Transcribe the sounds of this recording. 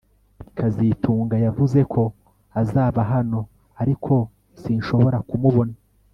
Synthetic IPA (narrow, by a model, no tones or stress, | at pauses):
ikazitʰuːŋɡajavuze̞kʰo̞ | azaːβaɦano̞ | aɾikʰo̞ | sinʃo̞βo̞ɾakumuβo̞na